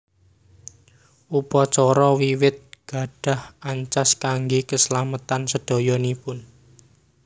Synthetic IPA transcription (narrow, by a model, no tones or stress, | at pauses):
ʔupɔt͡ʃɔɾɔwiwɪt̪̚ɡ̥ä̤ɖ̥ä̤hʔaɲt͡ʃaskaŋɡekəslamət̪ansəɖ̪̥ɔ̤jɔnipʊn